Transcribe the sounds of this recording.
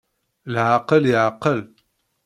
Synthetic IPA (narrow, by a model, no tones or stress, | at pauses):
lʕaːqəljaqəl